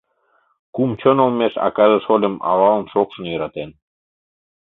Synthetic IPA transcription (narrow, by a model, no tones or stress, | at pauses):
kumt͡ɕonolmeʃɑ̰kɑʒəʃolʲə̆mɑ̰lɑlˠənʃokʃə̆njəɾɑt̪en